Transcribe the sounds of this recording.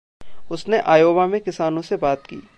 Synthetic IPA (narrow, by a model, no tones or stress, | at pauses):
ʊsneʔaːjoːbamẽkɪsaːnõsebaːt̪kḭː